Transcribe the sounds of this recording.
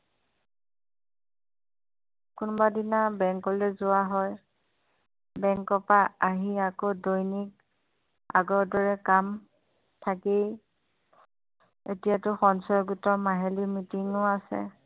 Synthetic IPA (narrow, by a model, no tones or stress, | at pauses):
kʊnbadinabɛŋkɔlɛzʊaɦɔj | bɛŋkɔpaaɦiakodojnik̚ | a̰ɡɔɹdɔɹɛkam | tʰakej | ḛtijatʊxɔnsɔjɡutɔmaɦelimitiŋʊasɛ̰